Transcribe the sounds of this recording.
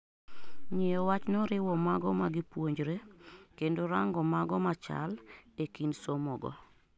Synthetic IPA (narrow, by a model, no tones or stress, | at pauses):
ɲɪɔwat͡ʃnɔɾɪwɔmaɡɔmaɡipwoɲd͡ʒɾekendoɾaŋɡɔmaɡɔmat͡ʃa̰lekinsomɔɡɔ̰